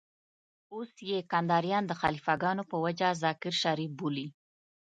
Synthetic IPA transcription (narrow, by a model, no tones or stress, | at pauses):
osjekand̪ɑɾjɑnd̪əxa̰lifaɡɑnopəwad͡ʒazɑkɪɾʃaɾifbuli